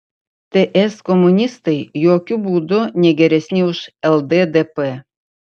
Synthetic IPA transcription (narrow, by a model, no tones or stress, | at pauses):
t̪eʔɛskɔmʊnʲɪst̪ɐɪjoːkʲʊbuːd̪ʊnʲɛɡʲɛɾʲɛsʲnʲɪʊʃɛlˠd̪ed̪ɛpɛ